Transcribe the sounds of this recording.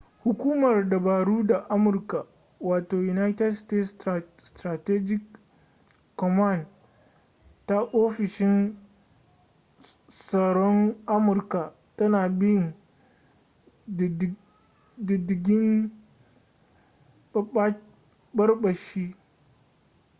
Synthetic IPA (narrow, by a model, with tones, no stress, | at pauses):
hʊ˨kʷuː˦mɐ˨rda˨baː˨ɽuː˦da˨ʔa˦mʊ˨rka˨ | waː˨toː˨ju˨na˦jtɛ˦dste˦ts | stɾa˨tɛ˦d͡ʒɪ˦kː | ɔ˨ma˦n | ta˦ʔoː˦ɸɪ˨ʃɪ˦n | sɐ˨ɽɔ˦ŋʔa˦mʊ˨rka˨ | tɐ˦naː˨bɪ˦jn˨ | dɪ˨dɪ˨ɡʲɪ˦m˦ | bɐ˦rɓɐ˨ʃiː˦